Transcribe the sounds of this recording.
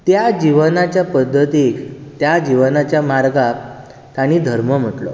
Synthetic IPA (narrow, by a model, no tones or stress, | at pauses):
t̪jad͡ʑiʋənat͡ɕjapəd̪ʱːət̪ikt̪jad͡ʑiʋənat͡ɕjamaɾɡa | t̪jañid̪ʱəɾməm̤əʈlo̰